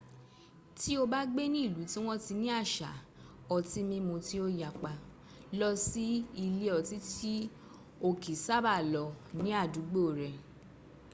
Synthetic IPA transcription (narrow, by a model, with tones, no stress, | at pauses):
ti˦o˧ba˦ɡ͡be˦nĩ˦˨lu˨˦ti˦w̃ɔ̃˦ti˧nĩ˦a˦˨ʃa̰˨ | ɔ˧ti˦mĩ˧mõ˧ti˦o˦ja˨k͡pa˨ | lɔ˦si˦i˧le˦ɔ˨ti˦ti˦ | o˧ki˨sa˦ba˦˨lɔ˧nĩ˨˦a˦˨du˨˦ɡ͡bo˦˨ɾɛ˨